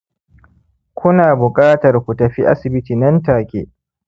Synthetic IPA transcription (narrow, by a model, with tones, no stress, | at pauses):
kʷʊ˦naː˨bʊ˨kʼaː˦tɐ˨rkʷu˨tɐ˨ɸḭ˦ʔa̰˦sɪ˨bɪ˦tiː˨nɐ˦ntaː˨kʲḛː˦ʔ